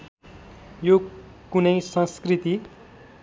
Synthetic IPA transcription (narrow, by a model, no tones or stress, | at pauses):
jo | kunʌjsʌ̃skrit̪i